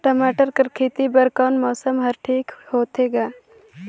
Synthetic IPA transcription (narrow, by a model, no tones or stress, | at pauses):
ʈɐmaːʈəɾkɐɾkʰeːt̪ibɐɾkɔːnmɔːsəmɦɐɾʈʰiːkhoːt̪eːɡaː